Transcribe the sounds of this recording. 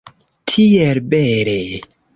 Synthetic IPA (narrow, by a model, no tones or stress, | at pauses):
tʰielbeɾe